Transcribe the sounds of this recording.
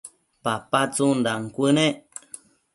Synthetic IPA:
papat͡sundaŋ̩kʷɨnẽ

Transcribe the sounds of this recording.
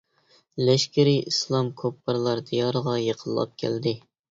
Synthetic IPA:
lɛʃkʲɪɾiislˠɑmkʰopʰːəɾlˠɑɾd̪ijɑɾəʁɑjeqʰəlˠːɑ̰p̚kʲʰæ̰ld̪ɪ

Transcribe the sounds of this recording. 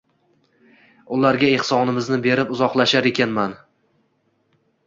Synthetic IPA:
ʊlaɾɡʲaehsɒnɪmɪznɪbe̞ɾɪpʊzɒqlˠaʃaɾe̞kʲanman

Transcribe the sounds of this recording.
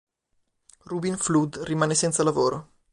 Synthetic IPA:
rubinflud̪rimaːnesɛnt̪salavoːɾo

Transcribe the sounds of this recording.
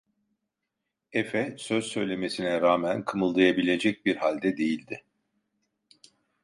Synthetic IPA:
efɛsø̞zsø̞jlʲe̞me̞sinɛɾaːmænkʰɯmɯlˠd̪ajabilʲe̞d͡ʒɛc̚biɾhalʲd̪ɛd̪e̞jilʲd̪ɪ

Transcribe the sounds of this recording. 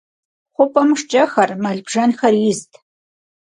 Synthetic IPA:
χʷʊpʼɐmʂt͡ʃʼɐxɐrmɐɮbʒɐnxɐrjɪztʰ

